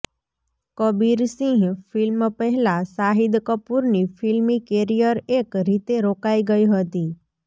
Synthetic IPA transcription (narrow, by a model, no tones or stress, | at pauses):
kəbiɾsĩɡfɪlmpɛɦɛlasaɦid̪kəpuɾnifʰɪlmikeɾijəɾekɾit̪eɾokaiɡəiɦət̪i